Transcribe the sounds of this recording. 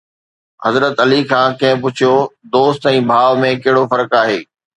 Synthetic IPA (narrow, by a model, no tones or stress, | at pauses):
hɐzɾət̪ɐlikʰãːkɐ̃ɦɪ̃p̬ʊt͡ɕʰijod̪oːst̪ɛ̃ːbʱaːʋmẽkɐɦɪɽofɐɾəkaːɦeː